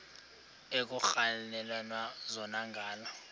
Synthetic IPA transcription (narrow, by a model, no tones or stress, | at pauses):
ek̬uxalɛlwanwazɔnaŋɡʱaːlɔ